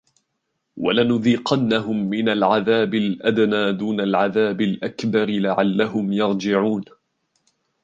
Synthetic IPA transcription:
wa̰lanʊðiːqɑnːaɦʊmːɪnalʕaðaːbɪlʔad̪naːd̪uːnalʕaðaːbɪlʔakbɑɾɪlaʕalːahʊmjɑɾˤd͡ʒɪʕuːn

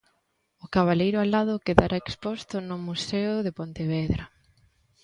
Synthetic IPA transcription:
ʊkaβalejɾʊalaðʊkeðaɾʔaekspɔst̪ʊnʊmuseʊðepont̪eβɛðɾa

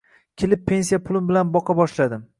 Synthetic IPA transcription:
kʲʰelɪpʰːe̞nsijapʰʊlˠɪmbɪlanbɒqʰɑbɒʃlad̪ɪm

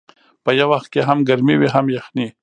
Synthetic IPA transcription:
pəjawaxt̪̚keɦamɡaɾmiwiɦamjaxni

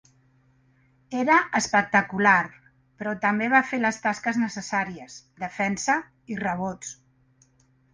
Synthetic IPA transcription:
eɾəʔəspək̚t̪əkular | pɾɔt̪əmbeβ̞afeləst̪askəznəsəsaɾiəsd̪əfɛnsə | irəβ̞ot͡s

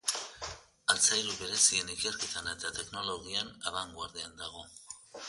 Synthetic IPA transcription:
alt͡sajɾuβe̞ɾe̞sie̞nike̞ɾket̪anaet̪at̪e̞kno̞lo̞ɣianaβaŋɡwaɾðeand̪aɣ̞o̞

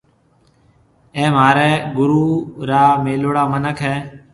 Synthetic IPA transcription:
ẽːmaːɾɛːɡʊɾuːɾaːmeːloːɽaːmənəkʰɦɛː

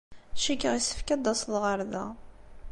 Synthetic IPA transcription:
ʃikːəʁisə̥fkæd̪ːɑsðʁəɾˤðæ̰

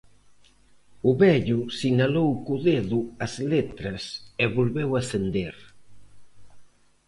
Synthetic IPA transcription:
ʊβɛʎʊsinalowkuðeðʊɐzlet̪ɾɐsɛβolβewasend̪eɾ

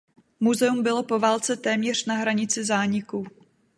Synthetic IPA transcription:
muzɛumbɪlo̞po̞vaːlt͡sɛt̪ɛːmɲɛr̝̥naɦɾaɲɪt͡sɪzaːɲɪku

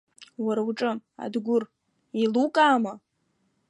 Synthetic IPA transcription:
waɾauʈ͡ʂʼɨa̰dɡʷʊr | ilukʼaːma

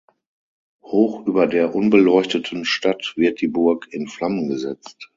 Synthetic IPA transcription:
hoːxʔyːbɐdeːɐʔʊnbəlɔʏçtətʰən̩ʃtatv̥ɪɐt̚d̥iːbʊɐkɪnflamənɡəzɛt͡st

